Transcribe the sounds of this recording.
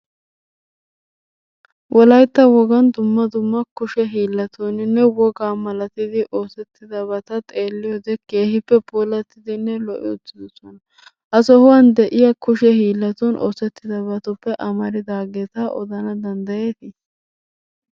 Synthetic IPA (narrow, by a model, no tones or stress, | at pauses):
wʔɔlɐjt̪ːɐwɔɡɐnd̪ʊmːɐd̪ʊmːɐkʊʃɛɦiːlːɐt̪ʰoːnɪnːɛwɔɡaːmɐlɐt̪ɪd̪ɪʔoːsɛt̪ːɪd̪ɐbɐt̪ɐt̪ʼe̞ːlːɪjoːd̪ɛke̞ːhɪpːɛpoːlɐt̪ːɪd̪ɪnːɛlɔʔɪʊt̪ːɪd̪ɔsɔnɐ | ʔɐsɔhʊwand̪ɛʔɪjɐkʊʃɛhiːlːɐt̪ɔnʔo̰ːsɛt̪ːɪd̪ɐbɐt̪ʊpːɛʔɐmɐɾɪd̪aːɡeːt̪aʔɔ̰d̪ɐnɐd̪ɐnd̪ɐjeːt̪is